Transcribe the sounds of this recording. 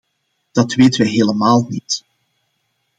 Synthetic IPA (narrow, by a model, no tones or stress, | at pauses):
d̥ɑtʋeːtəʋəɦeːləmaːlˠnit